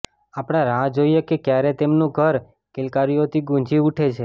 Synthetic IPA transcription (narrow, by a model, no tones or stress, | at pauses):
apɽ̃aɾãd͡ʒoijekekjaɾet̪emnũɡʱəɾ | kɪlkaɾijot̪ʰiɡũɲd͡ʒiuʈʰet͡ʃʰe